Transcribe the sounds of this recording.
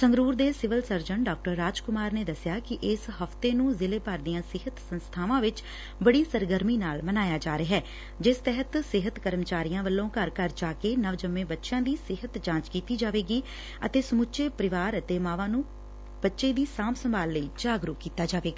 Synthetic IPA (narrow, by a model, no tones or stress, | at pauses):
səŋɡɾuːɾd̪eːsɪʋəlsəɾd͡ʒəɳɖaːk̚ʈəɾːaːd͡ʒkʊmaːɾneːd̪əsɪjaːkɪʔɪsɦəft̪eːnũːzɪleːpəɾd̪ijãːsɪɦət̪sənst̪ʰaːʋãːʋɪt͡ʃ | bəɽiːsəɾɡəɾmiːnaːlmənaːjaːd͡ʒaːɾeɦɛː | d͡ʒɪst̪ɛɦət̪sɪɦət̪kəɾəmt͡ʃaːɾijãːʋəlːõːkəɾkəɾd͡ʒaːkeːnəʋd͡ʒəmːẽːbətːʃãːd̪iːsɪɦət̪d͡ʒãːt͡ʃkiːt̪iːd͡ʒaːʋeːɡiː | ət̪eːsəmʊtːʃeːpəɾɪʋaːɾət̪eːmãːʋãːnũː | b̥ətːʃeːd̪iːsaːmsəmbaːlːəiːd͡ʒaːɡɾukiːt̪aːd͡ʒaːʋeːɡaː